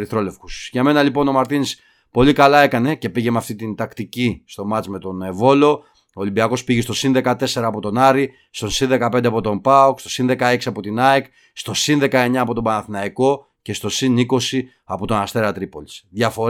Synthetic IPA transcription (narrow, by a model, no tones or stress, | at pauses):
ɾiθɾo̞le̞fxu̥sʝɐme̞nɐlipo̞no̞mɐɾt̪inis | po̞likɐlɐe̞kɐne̞ce̞piʝemɐft̪it̪int̪ɐkt̪icist̪o̞mɐt͡sme̞t̪o̞ne̞vo̞lo̞ | oːlimbiɐko̞spiʝest̪osinðe̞kɐt̪e̞se̞ɾɐːpo̞t̪o̞nɐɾi | st̪o̞nsinðe̞kɐpe̞nd̪eɐpo̞t̪o̞mpɐokst̪o̞̥sinðe̞kɐe̞ksiɐpo̞t̪inɐek | st̪o̞sinðe̞kɐe̞ɲɐːpo̞t̪obɐnɐθinɐiko̞ | ce̞st̪o̞siniko̞si | ɐpo̞t̪o̞nɐst̪e̞ɾɐt̪ɾipo̞li̥sðʝɐfo̞ɾ